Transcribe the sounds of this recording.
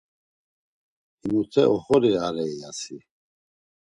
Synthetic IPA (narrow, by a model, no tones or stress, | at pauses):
imut̪ʰɛʔɔχɔɾiaɾɛijasi